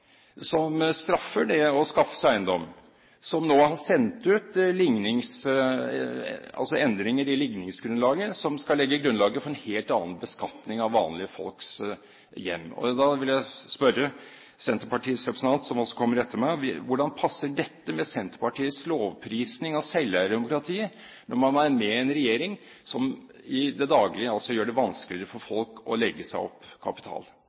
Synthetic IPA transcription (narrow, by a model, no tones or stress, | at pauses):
sɔmst̪ɾɑfːəɖɛɔskɑfːə̥sæɪnd̪ɔmː | sɔmnoːhɑsɛnt̪ʉːt̪lɪŋnɪŋs | ɑ̰lsɔɛnd̪ɾɪŋəɾɪlɪɡnɪŋsɡɾʉnlɑːɡəsɔmskɑlɛɡːəɡɾʉnlɑːɡəfɔɾɛnheːlt̪ɑːnənbəskɑt̪nɪŋɑʋːɑːnlɪəfɔ̰lks | jɛ̰mːɔ̰d̪ɑʋɪljæɪspœɾːə | sɛnt̪əpɑʈiːəsɾɛpɾəsn̩ʰɑnt̪sɔmɔsːɔ̥kʰɔmːəɾɛt̪ːəɾmɛʋʋʊɖɑnpʰɑsːəɖɛt̪ːəmɛsɛnt̪ə̥ɾpɑʈiːəsloːʋpʰɾiːsnɪŋɑsɛləd̪ɛmʊkɾɑt̪ʰiːə | nʔɔɾmɑnæɾmɛɛnɾɛjeːɾɪŋ | sɔm | ɪd̪ɛd̪ɑːɡlɪəɑlsɔjøːɖɛʋɑnsklɪɾəfɔɾfɔlkɔ̰lɛɡːəsæɪɔ̰pːkʰɑ̰pɪ̥t̪ʰɑ̰ːl